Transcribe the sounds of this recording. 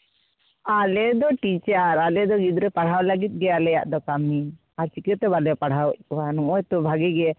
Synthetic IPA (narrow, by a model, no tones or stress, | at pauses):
alɛd̪ɔʈit͡ʃaaɾalɛd̪ɔɡid̪ɾɛpaɽ̤ɦawlaɡit̪̚ˀɡɛalɛja̰ʔd̪ɔkamːi | aɾt͡ʃikɛt̪ɛbalɛpaɽ̤awɔʔ̚kɔwanɔŋɔjt̪ɔbʱaɡɛɡɛ